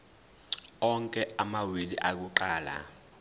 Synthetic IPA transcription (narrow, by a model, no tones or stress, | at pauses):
ɔŋkʼɛamawiliʔak̬uǃaːla̰